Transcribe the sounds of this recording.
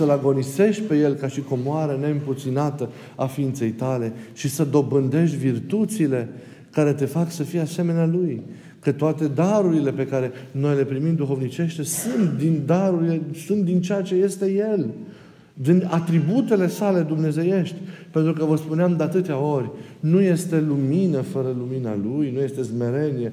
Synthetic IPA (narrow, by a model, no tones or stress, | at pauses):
səlaɡo̞nise̞ʃt̪̚ʲpe̞je̞lkaʃiko̞moaɾəne̞ɨmput̪sinat̪ə | afiint̪se̞jt̪ale̞ʃisəd̪o̞bɨnd̪e̞ʃt̪ʲvirt̪ut̪sile̞ | kaɾe̞t̪e̞faksəfijease̞me̞nealuj | kət̪oat̪e̞d̪aɾuɾile̞pe̞kaɾe̞no̞jle̞pɾimimd̪uxo̞vnit͡ʃe̞ʃt̪esunt̪d̪ind̪aɾuɾile̞sunt̪̚d̪int͡ʃejat͡ʃe̞je̞st̪e̞je̞l | d̪inat̪ɾibut̪e̞le̞sale̞d̪umne̞ze̞je̞ʃt̪ʲpe̞nt̪ɾukəvəspuneamd̪eat̪ɨt̪eao̞rʲ | nuje̞st̪e̞luminəfəɾəlumina̰lujnuje̞st̪e̞zme̞ɾe̞nije̞